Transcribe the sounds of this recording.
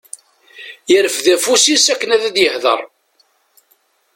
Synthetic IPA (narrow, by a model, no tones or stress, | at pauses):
jəɾəfðæfusisækːənæðæd̪jəhðə̰ɾˤ